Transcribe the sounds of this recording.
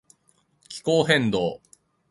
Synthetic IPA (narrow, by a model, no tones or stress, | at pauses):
kʲi̥ko̞ːɦẽ̞nd̪o̞ː